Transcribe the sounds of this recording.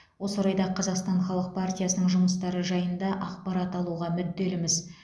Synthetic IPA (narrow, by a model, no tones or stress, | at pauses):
wo̞soɾɑjd̪ɑqʰɑzɑqst̪ɑɴχɑlˠəq̚pʰart̪ʲijasənəɴʒʊməst̪ɑɾəʒɑjənd̪ɑʔɑqpɑɾɑt̪ɑlˠuʁɑmʏd̪ːe̞lɪmɪz